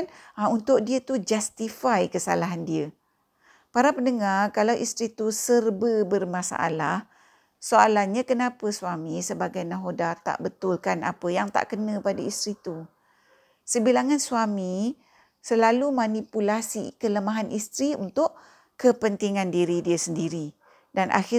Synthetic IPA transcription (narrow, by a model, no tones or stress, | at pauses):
naunt̪ʊʔdiət̪ud͡ʒast̪ifajkəsa̰laɦandiə | paɾapəndəŋarkalawʔist̪ɾit̪usərbəbərmasa̰ʔa̰lah | soalahɲakənapəsuamisəbaɡajnãɦodat̪a̰ʔbət̪ʊlkana̰pəjaŋt̪a̰ʔkənə̃padaist̪ɾit̪u | səbilaŋansuami | səlalumanipulasḭkələmaɦanʔist̪ɾiṵnt̪ʊʔ | kəpənt̪iŋandiɾidiəsəndiɾi | danʔa̰xɪ